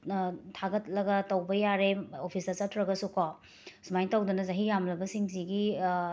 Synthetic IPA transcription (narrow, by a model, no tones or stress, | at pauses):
tʰaɡɐt̚lɐɡɐtɐwbɐjaɾeopʰisɐsɐtʰɾɐɡɐsuka | sumajŋtɐwdɐnɐzɐɦijamlɐbɐsiŋsiɡi